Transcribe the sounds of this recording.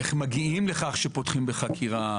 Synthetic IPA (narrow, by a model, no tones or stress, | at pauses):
eχmaɡiimleχaχʃepotχimbeχakʰiʁa